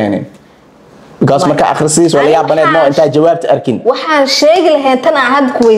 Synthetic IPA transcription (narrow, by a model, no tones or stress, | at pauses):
ɛnɛ̰n | kʰaːsmɐrkʰa̰ːʔɑ̰χrɪsiːs̬waːlɐjaːbɐnɛːd̪mɔɪnt̪ʰaːt͡ʃɐwaːb̚t̪ʰɐʔɐrkʰɪnwɑħɑːnʃɛːɣɪlɐɦɛːnt̪ʰɐnɐɦɐːd̪kʰʊwɛ